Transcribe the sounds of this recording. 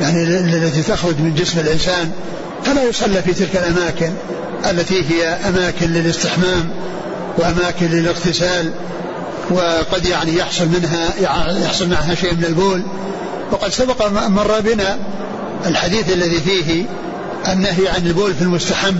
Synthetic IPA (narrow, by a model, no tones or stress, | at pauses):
jaʕnilalːat̪it̪axɾʊd͡ʒmɪnd͡ʒɪsmɪlʔɪnsaːn | falaːjʊsˤɑlːifit̪ɪlkalʔamaːkɪn | ʔalːat̪iɦɪjaʔamaːkɪnlɪlɪst̪ɪħmaːm | wʔamaːkɪnlɪlɪɣt̪ɪsaːl | wɪqɑd̪jaʕnijɑħsˤʊlmɪnɦajjɑħsˤʊlmaʕɦaʃeːʔmɪnɪlboːl | wɑqɑd̪sabɑqmɑrˤːɑbɪna | ɪlħad̪iːθalːaðifiːɦɪ | ʔanːaɦjʕanɪlboːlfilmʊst̪aħabː